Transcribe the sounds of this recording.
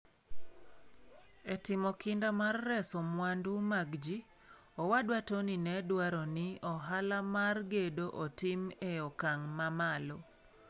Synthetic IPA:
etɪmɔkɪndamarːɛsɔmwandumaɡd͡ʒi | ɔwadwatoninɛdwaɾɔnɪɔɦalamarɡedoʔotɪmeɔkaŋmamalɔ

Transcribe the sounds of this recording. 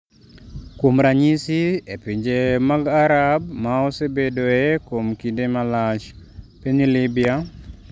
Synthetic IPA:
kwomɾaɲisiepiɲd͡ʒemaɡaɾabmaɔsebedoekwomkindemalat͡ʃ | peɲilɪbɪa

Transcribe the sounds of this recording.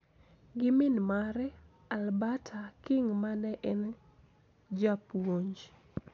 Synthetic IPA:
ɡɪmɪnmaɾɛ | albatʰakɪŋmanɛʔɛn | d͡ʒapwoɲd͡ʒ

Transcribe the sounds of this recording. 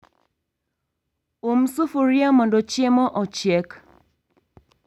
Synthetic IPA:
omsufuɾjamɔndɔt͡ʃɛmɔʔɔt͡ʃjɛk

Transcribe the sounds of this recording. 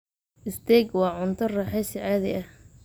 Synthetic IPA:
ʔɪst̪ʰɛːɡwɑːʕʊnt̪ʰɔrɑħɛːsɪʕaːðɛ̰ɐh

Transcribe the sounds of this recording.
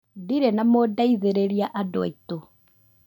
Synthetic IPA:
diɾɛnamodaiðeɾeɾiaʔadɔito

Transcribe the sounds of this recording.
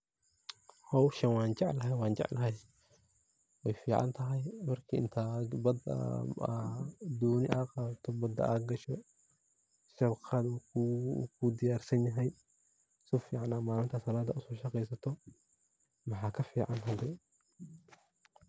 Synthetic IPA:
hɔwʃɐnwɑːnd͡ʒɑʕlɐɦɛjwɑːnd͡ʒɑ̰ʕlɐɦɛj | wɛjfiːʕa̰nt̪ʰɐɦɐjmɐrkʰiɪ̰nt̪ʰɐbɐd̪̰ | d̪ɔːnɪʔaːqaːt̪ʰɔbɐd̪ɐ̰ʔaːɡɐʃɔ | sɛbqʰaːd̪ukṵkʰud̪ɪjaːrsɐnjɐɦɛj | sɔfiːʕanaːmaːlɪnt̪ʰɐsɐlaːd̪ɐʊsɔːʃɐqɛjsɐt̪ʰɔ | mɐħaːkʰɐfiːʕanɦɐd̪ɛ

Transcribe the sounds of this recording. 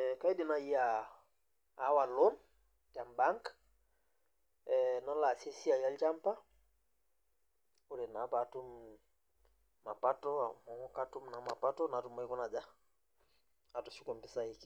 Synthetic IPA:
kajdinajia | walon | tambaŋk | nalasesiajalt͡ʃampa | uɾɛnapatum | mapatɔa̰mɔŋɔkatumnamapatɔnatumːaikɔnad͡ʒa | atusukɔmpisaiki̥

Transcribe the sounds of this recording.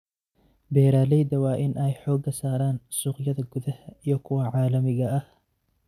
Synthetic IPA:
bɛːɾaːlɛjd̪ɐwɑːʔɪnʔɛjħɔːɡɐsaːɾaːnsuːqjɐðɐɡʊðɐhɐijɞkʰʊwɐʕɑːlɐmɪɣɐɐh

